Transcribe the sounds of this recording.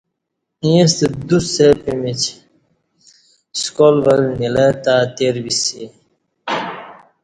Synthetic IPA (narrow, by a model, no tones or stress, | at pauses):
ĩẽst̪ed̪usepimit͡ɕʰ | skolʋəlnilet̪aːt̪eːɾbisi